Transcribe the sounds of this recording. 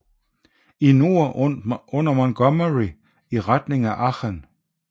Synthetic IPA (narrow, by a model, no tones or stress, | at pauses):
inuɐɔ̽n̰ɐmɔnɡ̥ɒməʁi | iʁad̥ne̝ŋæʔɑχen